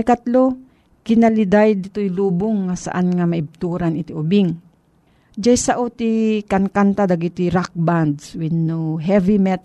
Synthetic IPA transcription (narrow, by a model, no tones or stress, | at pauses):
kat̪lo | kɪnalɪd̪ajd̪ɪt̪ojluːbʊŋːasa̰ʔanŋamaʔɪb̚t̪uːɾanɪt̪iʔʊbɪŋ | d͡ʒajsaʔot̪ikankant̪ad̪aɡit̪iɾak̚band̪swɪnːuɦɛvimɛt̪